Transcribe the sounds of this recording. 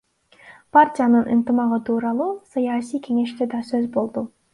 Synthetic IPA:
partʲijanɯnʔɯnt̪ɨmɑʁɯt̪ʰuːɾɑlˠuːsajɑsijke̞ŋe̞ʃt̪ed̪ɑsøzbo̞lˠd̪u

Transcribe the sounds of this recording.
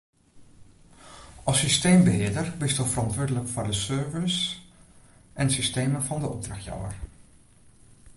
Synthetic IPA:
ʔɑsysteːmbəɦɪədərbɪstofərɑntʋʊːɹdələkfɔɹdəsøːɹvəs | ʔɛnsisteːməfɑndəɔp̚draxtjɔ̰wə̰r

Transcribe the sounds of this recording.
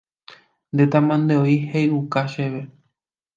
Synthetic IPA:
nd̪et̪amãnd̪eoihejukaʃeʋe

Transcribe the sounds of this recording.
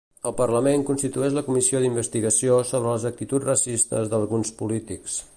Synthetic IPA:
əlˠpərləmeŋkunst̪it̪uɛʒləkumisioðimbəst̪iɣəsiosoβɾələzək̚t̪it̪ud͡zrəsist̪ə̰zðəlˠɣunspulit̪iks

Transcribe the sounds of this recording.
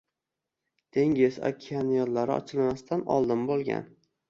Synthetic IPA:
d̪̥ʰe̞ŋʲɪzɒ̰kʲʰianijɒd̪laɾɪɒ̰t͡ʃʰɪlmast̪ʰanɒ̰lˠd̪ɪmbolˠɡʲa̰n

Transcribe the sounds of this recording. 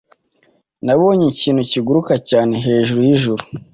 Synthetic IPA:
naβo̞ːɲiciːn̥huciɡuɾukacaːne̞ɦe̞ːʒuɾujiʒuɾu

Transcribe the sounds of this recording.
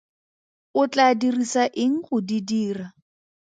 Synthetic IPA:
ʊt͡ɬadirisaʔɪŋ̩χʊdidiːra

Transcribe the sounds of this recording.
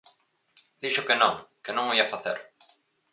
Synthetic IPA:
d̪iʃʊkenõŋkenõŋoiafaθeɾ

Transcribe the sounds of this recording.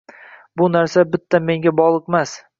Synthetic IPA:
bʊnaɾsabɪt̪ʰːanmːe̞ŋɡʲabɒʁlˠɨqmas

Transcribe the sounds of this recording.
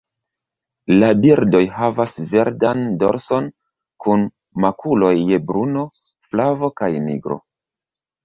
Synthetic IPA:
labiɾdo̞jɦavasve̞ɾdando̞̰ɾso̞n | kun | makʰulo̞jːebɾuno̞ | flavo̞kajnḭɡɾo̞̰

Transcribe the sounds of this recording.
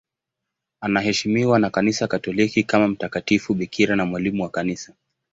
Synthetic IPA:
anahɛʃimiwanakanisakatɔlikikamam̩takatifuɓikʰiɾanamwalimuwakanisa

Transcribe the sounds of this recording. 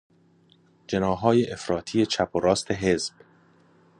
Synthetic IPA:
d͡ʒe̞nɒːɦɒːjeʔefɾɒːt̪ʰije̞t͡ʃʰæpʰoɾɒːst̪ʰe̞ɦezb̥

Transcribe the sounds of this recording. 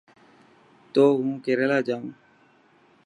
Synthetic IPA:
t̪oːɦũːkeɾeːlaːd͡ʒaːũː

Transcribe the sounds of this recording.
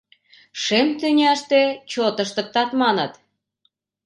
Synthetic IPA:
ʃemt̪ynʲæʃt̪et͡ɕot̪əʃt̪ə̆k̚t̪ɑt̪mɑnə̆t̪

